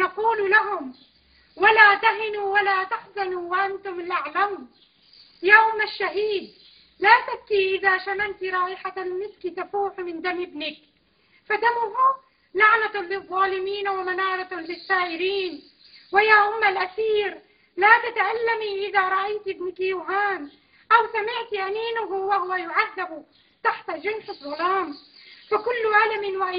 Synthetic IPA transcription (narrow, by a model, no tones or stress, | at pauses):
nɑquːllaɦʊm | walaːt̪aɦɪnuwalaːt̪aħzanuwaʔant̪ʊmalʔaʕlam | jaːʔʊmːaʃːaɦiːd̪̚ | laːsakːiʔɪðaːʃamant̪ɾˤɑːʔɪħaanɪskit̪afuːħmɪnd̪amʔɪbnɪk̚ | fad̪amʊɦʊ | laʕnalɨðˤːɑːlɪmiːnwɪmanɑːɾˤɑlɪsːaːʔɪɾiːn | wɪjaːʔʊmːalʔaθiːɾ | lat̪at̪aʔalːamiʔɪðaɾˤɑʔajt̪ɪbnɪkjuːɦaːn | ʔawsamɪʕt̪ʔamiːnʊɦʊwahʊwajʊʕaðːɪbʊ | t̪aħt̪aʒɪnsɪbɾʊɣɾɑːmfakʊlːʔalamɪwaʔa